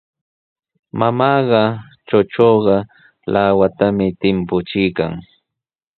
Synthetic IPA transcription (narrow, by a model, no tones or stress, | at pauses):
mamɑːɢɑ | t͡ʃot͡ʃoːɢɑ | lʔaːwat̪amɪt̪ɪmpʊt͡ʃɪjka̰ŋ